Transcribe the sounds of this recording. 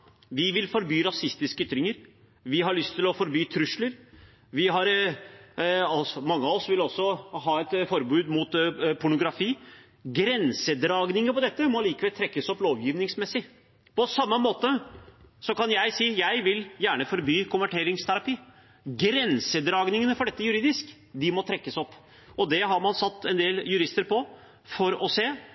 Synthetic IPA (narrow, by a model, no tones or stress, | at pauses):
ʋɪʋɪlfɔɾbyːɾɑsɪst̪ɪskəyt̪ʰːɾɪŋəɾ | ʋɪɦɑɭʏst̪ʰɪlɔfɔɾbyːt̪ʰɾʉʂləɾ | ʋɪɦɑɾ | ɔsɔmɑŋːəɑɔsʋɪlɔsːɔɦɑːɛt̪fɔɾbʉːd̪muːt̪pʰʊɳʊɡɾɑfiː | ɡɾɛnsəd̪ɾɑːɡnɪŋəpɔd̪ɛt̪ːəmɔliːkəʋɛlt̪ʰɾɛkːəsɔploːʋjiːʋnɪŋsmɛsːɪ | pɔsɑmːəmoːt̪əsɔkɑnjæɪsiːjæɪʋɪljæːɳəfɔɾbyːkʰʊmʋæʈʰeːɾɪŋst̪ʰæɾɑpiː | ɡɾɛnsəd̪ɾɑːɡnɪŋənəfɔɖɛt̪ːəjʉɾiːd̪ɪsk | d̪ɪmɔt̪ʰɾɛkːəsɔpː | ɔd̪ɛɦɑɾmɑnsɑt̪ːɛnd̪eːljʉɾɪst̪əɾpʰɔ | fɔɾɔseː